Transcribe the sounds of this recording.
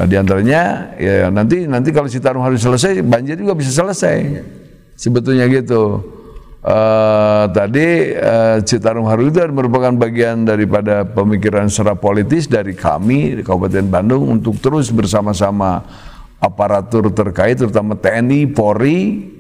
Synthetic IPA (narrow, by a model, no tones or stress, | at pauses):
diant̪aɾaɲaja̰nant̪inant̪ikalosit̪aɾʊŋɦaɾus̬ələs̬ajbaɲd͡ʒɪrd͡ʒuɡabis̬as̬ələsaj | səbət̪ʊlɲaɡit̪u | ʔət̪adiəsit̪aɾʊŋɦaɾuit̪̬uadməɾupakanbaɡiandaɾipadapəmikiɾansuɾahpolit̪ɪsdaɾikʰa̰mikabupat̪ɛnbandʊŋṵnt̪ʊk̚t̪əɾʊsbərsamasama | apaɾat̪ʊrt̪ərkaɪt̪ːəɾut̪amat̪ɛnipoɾi